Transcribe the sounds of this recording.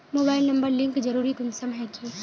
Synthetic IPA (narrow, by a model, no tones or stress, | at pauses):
moːbaːɪlnɐ̃mbəɾlɪ̃ŋkd͡ʒɐɾuːɾikʊnsəmɦɛki